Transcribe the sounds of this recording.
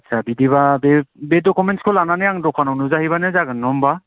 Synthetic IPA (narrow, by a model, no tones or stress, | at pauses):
sʰabidiβabebedɔkumentskʰolananɯjaŋdɔkʰanɔnuzahiβanɯzaɡɯnːɔmba